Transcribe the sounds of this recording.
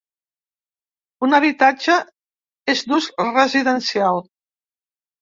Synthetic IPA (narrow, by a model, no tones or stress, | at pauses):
unəβit̪ad͡ʒə | ezd̪uzrəziðənsialˠ